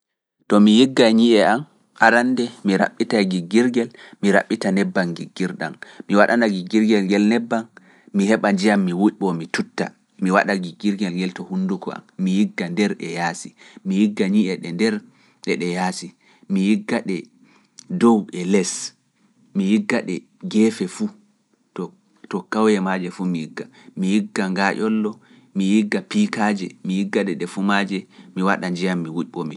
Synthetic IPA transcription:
tɔmijiɡːaɲiʔɛam | ʔaɾandɛmiɾa̰ɓːitaɡiɡːiɾɡɛlmiɾa̰ɓːitanɛbːanɡiɡːiɾɗa̰mmiwaɗanaɡiɡiɾɡɛlŋɡɛlnɛbːan | mihɛɓad͡ʒijamːiwuʔɓɔmitutːa̰ | miwa̰ɗaɡiɡiɾɡɛlŋɡɛltɔhunːdukɔ̰a̰mːijiɡːandɛɾɗɛ̰jasimijiɡːaɲiʔɛɗɛndɛɾ | ɗɛɗɛjasi | mijiɡːaɗɛ | dɔwɛlɛs | mijiɡːaɗɛ | ɡɛːfɛfu | tɔ | tɔkawjɛmad͡ʒɛfumijiɡːa | mijiɡːaŋɡaʔɔlːɔ | mijiɡːapikad͡ʒɛmijiɡːaɗɛɗɛfumad͡ʒɛmiwaɗaɲd͡ʒijamːiwuʔɓɔmi

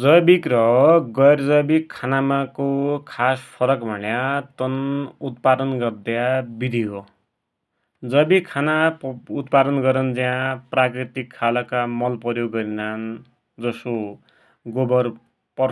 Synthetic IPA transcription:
d͡zʌbikrʌɡʌjɾd͡zʌbikʰːanamakokʰaspʰʌɾʌkbʱʌnjat̪ʌnut̪̚pad̪ʌnɡʌrd̪jabid̪ʱiɦo | d͡zʌbikʰanaut̪pad̪ʌnɡʌɾʌnd͡ziãprakrit̪ikʰːalʌkamʌlpʌɾjoɡːʌɾinan | d͡zʌso | ɡobʌr | pʌ

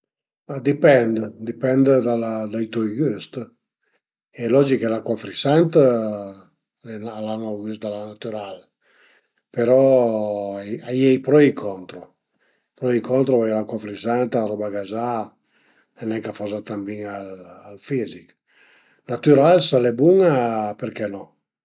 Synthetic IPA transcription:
ad̪ipɛnd̪əd̪ipɛnd̪əd̪ald̪ajt̪ɔjɡyst̪ | ɛlɔd͡ʒikelakwafɾisant̪ | ɛnalanoɡysd̪alanat̪yɾal | peɾɔ | jajɛjpɾɔikʰɔnt̪ɾo | pɾɔikʰɔnt̪ɾovajlakwafɾisant̪aɾɔbaɡaza | enɛŋkafɔzat̪ambiŋalalfizik | nat̪yɾalsalɛbuŋapeɾkɛnɔ

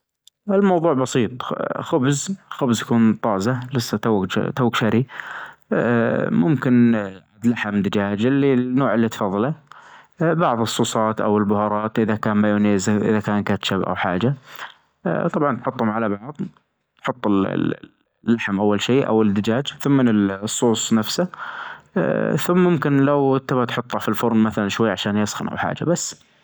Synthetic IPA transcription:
ʔɪlmɑwðˤuːʕbɑsiːt̪ˤxʊbzxʊbzjakuːnt̪ˤɑːzalɪsːat̪a̰ːt̪uːkʃaɾi | mʊmkɪnʕad̪laħɪmd̪ɪd͡ʒaːd͡ʒɪlːinːoːʕɪlːit̪fɑːðˤːɑla | bɑʕðˤɨsˤːuːsˤɑːt̪ʔa̰wɪlbʊhɑːɾˤɑːt̪ʔɪðakaːnmajuːneːzʔɪ̰ðakaːnkat̪ʃabʔa̰wħaːd͡ʒa | t̪ˤɑbʕɑnt̪ħʊt̪ˤːhʊmʕalabɑʕðˤ | t̪ħʊt̪ˤːɪl̰ | lːaħmʔawːalʃiːʔa̰wɪd̪ɪd͡ʒaːd͡ʒθʊmːɪnɪlsˤːuːsˤnafsa | θʊmːʊmkɪnlawt̪ːabat̪ħʊt̪ˤːafilfʊɾmmaθalanʃwajːaʕaʃaːnjɑsxɪnʔa̰wħa̰ːd͡ʒa̰basː

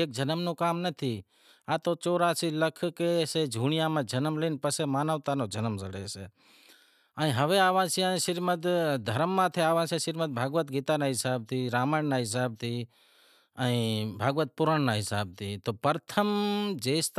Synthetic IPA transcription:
eːk̚d͡ʒənəmnõːkaːmnət̪ʰiː | aːt̪ot͡ʃoːɾaːsiləkʰkesed͡ʒʱuːɽ̃ɪjaːmãd͡ʒʱənəmliːnpəsemaːnəʋt̪aːnoːd͡ʒənəmsəɽeːse | aːĩɦəʋeaːʋãsʰiãːĩʃɪɾmət̪d̪ʱəɾəmːãːt̪ʰeaːʋãːsʰẽʃɪɾmət̪̚bʱaːɡʋət̪ɡiːt̪anaɦɪsaːb̚t̪ʰiːɾaːmaːɳnaːɦɪs̬aːb̚t̪ʰi | aĩbʱaːɡʋət̪̚pʊɾəɳnaːɦɪsaːb̚t̪ʰiːt̪oːpəɾt̪ʰəmd͡ʒeːst̪

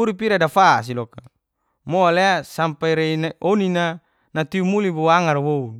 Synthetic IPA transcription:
uɾipiɾadafas̬ilɔka | moaleasampaiɾenaʔonina | nat̪iumuliboaŋarwou

